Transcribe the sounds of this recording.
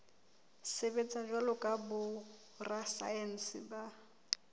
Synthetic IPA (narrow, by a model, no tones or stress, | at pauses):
sebet͡sʼad͡ʒwalʊkʼabʊ | rasa̰ɛn̩sɪ̰ba